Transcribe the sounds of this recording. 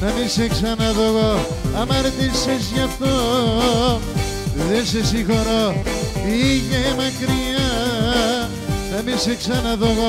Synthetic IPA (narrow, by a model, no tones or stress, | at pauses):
nɐminseksɐnɐðoɣo | ɐmɐɾet̪isis̬ʝɐft̪o | eðenses̬ixoɾoiʝemɐkɾiɐ | nɐminseksɐnɐðoɣo